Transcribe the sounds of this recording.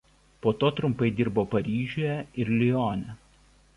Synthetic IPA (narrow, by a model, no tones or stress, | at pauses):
poːt̪oːt̪ɾʊmˑpɐɪd̪ʲɪɾboːpɐɾʲiːʒʲoːjɛɪɾlʲɪjoːnʲɛ